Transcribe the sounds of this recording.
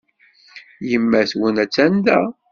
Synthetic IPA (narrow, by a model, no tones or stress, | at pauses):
jəmːæθwənæt͡sːænd̪æ